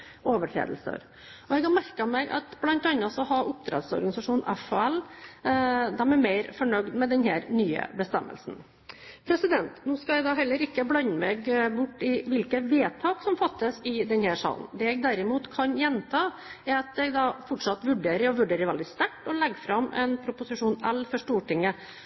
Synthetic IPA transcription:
oːʋəʈʰɾḛːd̪əlsə̰ɾ | ɔɛɡɑmæɾkəɑmɛːɡʔɑ̰t̪blɑnt̪ɑnːəsɔɦɑʔʊp̚t̪ʰɾɛ̰d̪sɔ̰ɾɡɑnɪsɑʂuːnʔɛfoɛl | d̪ɛmɛɾmeɪɾfɔɳœɡd̪mɛd̪ɛnhæːɾnyːə̰bəst̪ɛ̰mːə̰lsn̩ | pʰɾɛsɪd̪ɛnt̪nuːskɑæɡd̪ɑːɦɛlːəɾɪkːəblɑnːəmɛɡbʊʈːɪʋɪlkəʋeːt̪ʰɑːksɔmfɑt̪ːəsɪd̪ɛnhæːʂɑ̰ːlə̰n̩d̪ɛːɛɡ̚d̪æɾɪmuːt̪kʰɑnjɛnt̪ʰɑː | æɾɑt̪̚d̪ɛɡd̪ɑːfɔʈʂɑt̪ʋʉɖeːɾəɾɔʋʉɖeːɾəɾʋɛld̪ɪst̪æʈːɔlɛɡːfɾɑmʔɛ̰npʰɾʊpʊsɪʂuːnɛlfɔʂʈuːʈɪŋːə

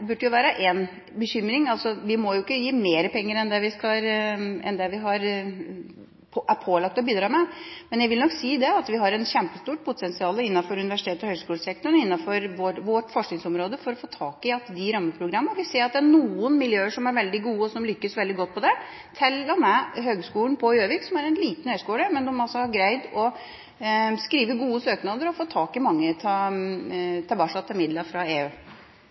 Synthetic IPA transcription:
bʉɖːəjʊʋæːɾəʔeːn | bəɕʏmːɾɪŋɑlsɔʋɪmɔjʊɪkːəjiːmeːɾəpʰɛŋːəɾɛnd̪ɛʋɪskɑɾɛ̰nd̪ɛʋɪɦɑɾ | æpʰoːlɑk̚t̪ɔbiːd̪ɾɑːmɛmɛnjæɪʋɪlnɔksiːd̪ɛɑt̪ʋɪɦɑɾɛnɕɛmpəst̪uːʈ̚pʰʊt̪ʰɛnsɪɑːləɪnːɑfɔɾʉnɪʋæʂɪt̪ʰeːt̪ɔhœʏɡskuːləsɛk̚t̪ɔɳɪnːɑfɔɾʋɔʋɔʈfɔʂknɪŋsɔmɾoːd̪əfɔɾɔfoːt̪ʰɑːkɪɑt̪d̪ɪɾɑmːəpʰɾʊɡɾɑmːəʋɪseːɾɑt̪̚d̪ɛæɳuːənmɪljøːəʂɔmæɾʋɛld̪ɪɡuːəɔsɔmlʏkːəsʋɛld̪ɪɡɔt̪̚ːpʰɔd̪ɛ | t̪ʰɪlːɔmæɦøːɡskuːlən̩pʰɔjøːʋɪksɔmæɾɛnliːt̪n̩hœʏskuːləmɛnd̪ɔmɑlsɔhɑɾɡɾæɪd̪ɔ | skɾiːʋəɡuːəsøːknɑd̪əɾɔfoːt̪ʰɑːkɪmɑŋːət̪ʰɑ | t̪ʰɪɛbɑːʂɑt̪ʰːɪlmɪd̪lɑfɾɑeːøː

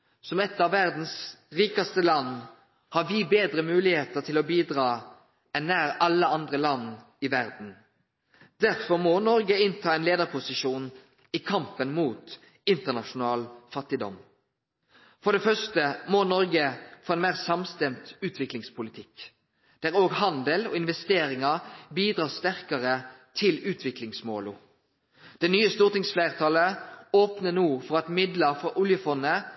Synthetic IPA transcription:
sɔmɛt̪ːɑʋːæʁd̪n̩sʁiːkɑst̪əlɑnː | hɑɾʋibeːd̪ɾəmʉːlɪheːt̪ət̪ʰɪlɔbiːd̪ʁɑː | ɛnnːæːɾɑlːəɑnd̪ʁəlɑn | ɪʋæɾd̪n̩ | d̪̥æʁfɔɾmɔnɔɾɡəɪnt̪ʰɑːɛnleːd̪əʁpʰʊsɪʂuːn | ɪkʰɑmpənmuːt̪ | ɪnt̪əʁnɑʃʊnɑːlfɑt̪ːɪd̪ɔ̰m | fɔd̪ɛfœst̪əmonɔɾɡəfoːɛnmæːʁsɑmst̪ɛmt̪ʉːt̪ʰʋɪklɪŋspʰʊlɪt̪ʰɪk | d̪̥æʁoːɡhɑnd̪əlɔ̰ːɪnʋɛst̪eːɾɪŋɑbiːd̪ʁɑːʁst̪æʁkəʁət̪ʰɪlʉːt̪ʰʋɪklɪŋsmoːlu | d̪̥ɛnyːəst̪uːʁt̪ɪŋsflæɪʁt̪ʰɑːləoːpnənuːfɔʁɑt̪mɪd̪ləʁfɔʔʊljəfɔnːə

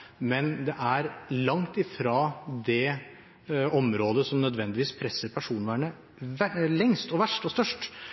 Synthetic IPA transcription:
mɛnd̪ɛʔæɾlɑŋt̪ɪfɾɑːd̪ɛ | ɔmɾoːd̪əsɔmnœd̪ʋɛnd̪ɪʋiːspʰɾɛsːəɾpʰæʂuːnʋæːɳə | ælɛŋst̪ɔʋæʂʈɔst̪œʂʈ

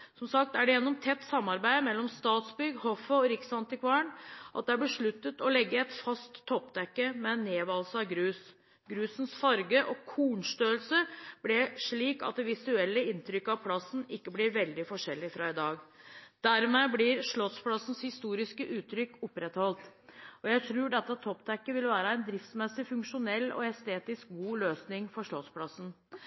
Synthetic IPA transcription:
sɔmsɑk̚t̪æɖɛjɛnːɔmt̪ʰɛt̪ːsɑmːɑɾbæɪmɛlːɔmst̪ɑːt̪sbʏɡhɔfəɔɾɪksɑnt̪ɪkʰʋɑəɳʔɑ̰t̪̚d̪ɛæɾbɪʂɭʉt̪ːət̪ɔlɛɡːəɛt̪fɑst̪ʰːɔpːd̪ɛkːəmɛnːeːʋɑlsɑɡɾʉːs | ɡɾʉːsn̩sfɑɾɡəʔɔkʰuːɳʂt̪øːlsəb̥lɛʂɭiːkɑ̰t̪̚d̪ɛʋɪsʉɛlːəɪnt̪ɾʏkːəɑʋpʰlɑsːn̩ɪkːəblɪɾʋɛld̪ɪfɔʂɛlːɪfɾɑɪd̪ɑːɡd̪̥æɾmɛblɪɾʂɭɔspʰlɑsn̩shɪst̪uːɾɪskəʔʉːt̪ʰːɾʏkːʊpːɾɛt̪hɔlt̪ɔjæɪt̪ʰɾʉːɖɛt̪ːət̪ʰɔpt̪ʰɛkːəʋɪlʋæːɾəæɪnd̪ɾɪft̪smɛsɪfʉŋkʂʊnɛlːɔ̰ɛst̪eːt̪ɪsk̚ɡuːløːsnɪŋfɔʂɭɔspʰlɑsn̩

